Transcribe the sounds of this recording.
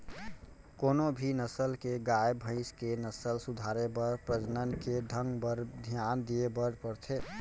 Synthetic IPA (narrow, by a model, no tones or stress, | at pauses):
konobʱinəsəlkeɡaebʱə̃ɪskenəsəlsud̪ʱaɾebəɾpɾəd͡ʒnənked̪ʱəŋɡbəɾd̪ʱjand̪iebəɾpəɾt̪ʰe